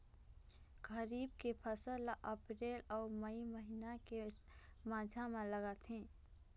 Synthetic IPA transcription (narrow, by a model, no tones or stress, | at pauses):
ɡəɾiːb̚kepʰəsəlʔəpɾeːlɔːməiməɦinake | mad͡ʒʱamãləɡət̪ɦɛ̃ː